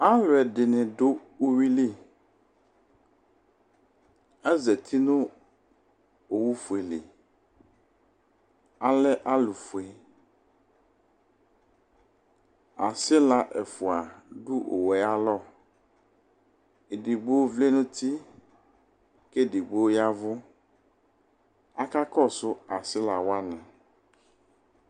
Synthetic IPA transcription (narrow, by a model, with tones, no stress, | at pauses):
a˦lɔ˨ɛ˨ɖe˨nɛ̃˨ɖo˦wo˦wi˦li˦˨ | ɛ˦zɛ˨t̪ʰi˦nũ˦ | o˨wu˦fu˨e˨lḛ˨ | a˨lɛ˦ʔa˦lu˨fu˨ɛ˨ | a˨sɪ˦la˨ʔe˨fu˨a˨ɖu˦ʔo̰˨wɛ˨a˦lɔ˦ | e˨di˨ɡ͡bo˦o˦vle˦nʊ̃˦t̪i˦ | ke˦˨dɪ˨ɡ͡bo˦o˦ja˦vʊ˦ | a˦ka˦kɔ˦sʊ˦a˨sɪ˦la˨wa˦nã˨